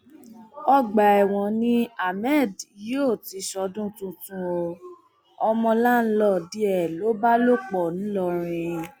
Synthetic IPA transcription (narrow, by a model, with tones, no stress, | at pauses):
ɔ˧ɡ͡ba˨ɛ˨w̃ɔ̃˨nĩ˦a˨mɛ˦˨djo˦˨ti˨˧˦ʃɔ˧˦dũ˦tũ˦tũ˦o˧ | ɔ˧mɔ̃˧la˦˨n̩˦lɔ˦˨di˦ɛ˦˨lo˨˦ba˦lo˦k͡pɔ˨ñ̩˦lɔ˧ɾ̃ĩ˧